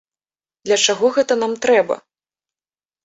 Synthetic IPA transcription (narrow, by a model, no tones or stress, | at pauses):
d̪lʲɐt͡ʂaɣɔɣɛt̪ɐnamt̪ɾɛbɐ̰